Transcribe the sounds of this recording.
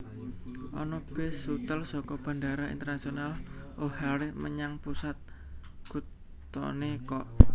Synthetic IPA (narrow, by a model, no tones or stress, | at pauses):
ʔɔ̰nɔb̥esut̪əlsɔkɔb̥a̤ndaɾaḭnt̪ərnasionalʔohaɾɪməɲaŋpusat̪̚ | ɡ̥ṳt̪ | ɔ̰nekɔʔ